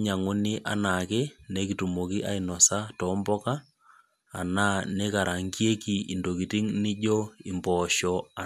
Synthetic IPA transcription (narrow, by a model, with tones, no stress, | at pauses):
ɲa˨ŋo˦ni˦ʔa̰˨na˨ke˦ne˦ki˨tu˨mo˨ki˦ʔa˦i˨nɔ˨sa˦tɔ˦mbɔ˦kaː˦˨ | naː˦ne˦ka˨ɾa˨ŋɡje˦kiː˨ndo˨ki˨ti˦ŋni˦ʄo˦i˨mbɔ˨ʃɔa˨